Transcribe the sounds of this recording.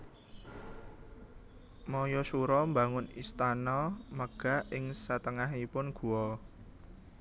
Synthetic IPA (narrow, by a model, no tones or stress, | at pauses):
mɔjɔsuɾɔmbaŋʊnist̪anɔməɡ̥a̤ɪŋsat̪əŋaɦipʊnɡ̥ṳɔ